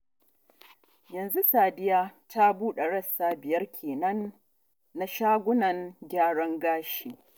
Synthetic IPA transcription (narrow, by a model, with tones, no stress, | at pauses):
jɐ˨nzu˦saː˨dɪ˦jaː˦tʰa˦buː˦ɗe˨ɽɐ˦saː˦bɪ˨jɐ˦rkʲʰeː˨nɐ˦nː | a˦ʃaː˦ɡʷʊ˦nɐ˨ŋɡʲaː˦ɽɐ˦ŋɡaː˦ʃiː˨